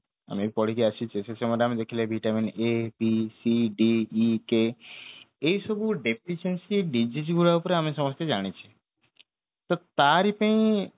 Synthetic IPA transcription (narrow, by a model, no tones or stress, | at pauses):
a̰mipɔɽ̤ikeat͡ʃʰit͡ʃʰesesemɔd̪eamid̪ekʰilebʱiʈaminepisiɖiːke | ejsɔbuɖepʰiʃensiɖid͡ʑid͡ʒiɡuɭaupɔɾeamisɔmɔst̪ed͡ʒaɽ̃it͡ʃʰi̥ | t̪ɔt̪aɾipə̃ĩ